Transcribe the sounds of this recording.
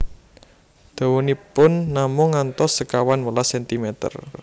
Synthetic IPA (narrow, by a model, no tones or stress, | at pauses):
d̪̥a̤wunipʊnːamʊŋːant̪ɔsəkawanwəlasɛnt̪imɛt̪ə̰r